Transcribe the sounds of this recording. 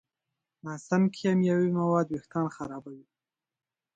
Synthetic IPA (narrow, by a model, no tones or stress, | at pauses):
nasamkʰijamjawimawɑd̪wext̪ɑnxaɾɑbawi